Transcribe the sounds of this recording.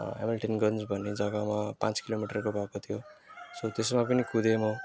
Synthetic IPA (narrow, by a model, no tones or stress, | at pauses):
ɦḛmilʈinɡʌnsbʱʌnːed͡zʌɡamapãt͡skilomiʈʌrkobʱʌkot̪ʰijosʌt̪esmapʌnikud̪ʱemʌ